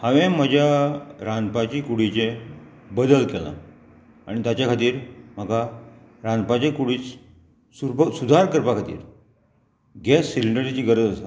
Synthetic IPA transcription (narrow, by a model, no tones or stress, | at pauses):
hãʋẽm̤əd͡ʑʱjaɾanpat͡ɕiːkuɽit͡ɕẽ | bəd̪əlkɛla̰ | aɽ̃it̪at͡ɕjakʰat̪iːɾm̤əɡa | ɾanpat͡ɕẽkuɽiːt͡s | suɾpəsud̪ʱaɾkəɾpakʰat̪ḭːɾ | ɡɛsːiliɳɖəɾit͡ɕiːɡəɾəd͡zəsa